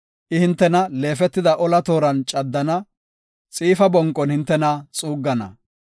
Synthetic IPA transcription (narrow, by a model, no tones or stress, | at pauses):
ʔɪhɪnt̪ːɛnɐle̞ːfɛt̪ːɪd̪ɐʔɔlɐt̪o̞ːɾɐnt͡ʃʼɐd̪ːɐnɐ | t͡sʼiːfɐbɔŋkʼːɔnhɪnt̪ːɛnɐt͡sʼuːɡːɐnɐ̰